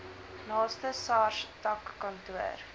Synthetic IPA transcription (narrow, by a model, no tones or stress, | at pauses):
nɑːstəsɑːrʃtɐkːɐntuə̰r